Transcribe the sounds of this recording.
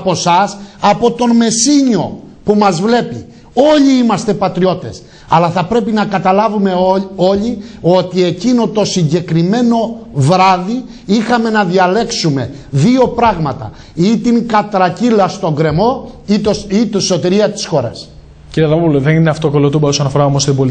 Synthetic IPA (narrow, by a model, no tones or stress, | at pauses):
po̞sɐsɐpo̞t̪o̞nme̞siɲo̞pumɐzvle̞pi | o̞ʎiimɐst̪e̞pɐt̪ɾio̞t̪e̞s | ɐlɐθɐpɾe̞pinɐkɐt̪ɐlɐvume̞o̞ʎio̞t̪ie̞cino̞t̪o̞siɲɟe̞kɾime̞no̞vɾɐði | ixɐme̞nɐðiɐle̞ksume̞ðio̞pɾɐɣmɐt̪ɐ̰ | it̪iŋkɐt̪ɾɐcilɐst̪o̞ŋɡɾe̞mo̞it̪osit̪inso̞t̪iɾiɐt̪i̥sxo̞ɾɐ̰s | ciɾiɐðɐmopuloðenineɐft̪okolot̪umbɐosonɐfoɾɐomost̪ibol